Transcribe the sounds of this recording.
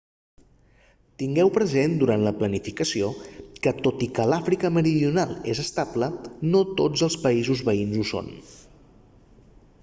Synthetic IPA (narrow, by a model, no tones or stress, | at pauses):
t̪iŋɡɛwpɾəzend̪uɾant̪ləplənifikəsiokət̪ot̪ikəlafɾikəməɾiðiunalˠezəst̪ablənot̪od͡zəlˠspəizuzβəinzuso̰n